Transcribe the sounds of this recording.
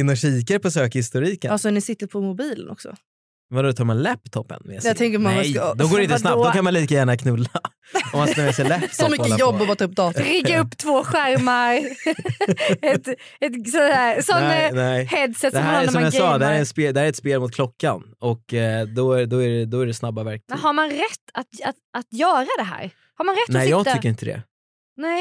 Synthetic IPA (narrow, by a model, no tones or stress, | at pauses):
ɪnːɔɕiːkaɾpʰɔsøːkahɪst̪ʊɾiːkə̰alsɔnɪsɪt̪ːəɾpʰɔmʊbiːlə̰nɔ̰ksɔ̰ | vad̪ɔt̪ʰɑːɾmanlɛpt̪ʰɔpːə̰nmɛ̰ːsjɛat̪ʰɛŋkəɾɔmand̪ɔɡoːɾɛɪnssnatd̪ɔkʰanmanliːkajæːɳakʰnɵlːaa | ɔmanamɛsɛlɛsɔmʏkːəjɔbːɔbɑt̪ʰaɵp̚ːd̪ɑːt̪ɾɪɡːaɵpːt̪ʰvoːɧæɾmaɾ | ɛt̪ | ɛt̪sɔæɾsɔnːnɛɪhɛd̪sɛt̪d̪ɔmæɾmɔamjaɑːd̪ɛhæːɾɛɾɛnspeːld̪ɛhæɾɛt̪speːlmʊt̪̚kʰlɔkːanɔkd̪ɔæd̪ɔæɖɛd̪ɔæɖɛsnabːavæɾkmɛnɦaɾmanɾɛt̪ːat̪at̪at̪jœːɾad̪ɛɦæ̰ːɾ | haɾmanɾɛt̪ːɛːjɑːɡt̪ːʰʏːəɾɪnt̪əd̪ɛ̰ | nɛɪ